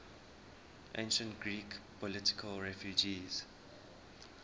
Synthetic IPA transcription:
ʔḛ̃nʃə̃ntɡɹiːkpʰɔlɪti̥kʰəlɹɛfjud͡ʒiz̥

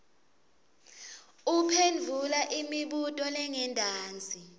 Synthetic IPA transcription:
upʰend͡vʱulaʔimiɓutʼɔlɛŋɛndʱaːnd͡zʱi

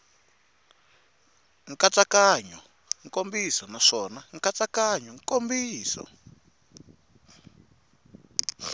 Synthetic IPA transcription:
ŋkat͡sakaɲɔ | ŋkombisɔnaʂɔnaŋkat͡sakaɲɔŋkombiːsɔ̰

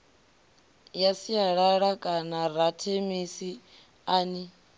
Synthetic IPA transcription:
jasijaɺaɺakʼanaɾatʰemisi | aːni

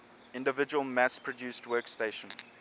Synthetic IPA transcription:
ɪ̃ndəvɪd͡ʒəwəlˠmæspʰɹɔdjuːstwɜːˑksteɪʃə̃n

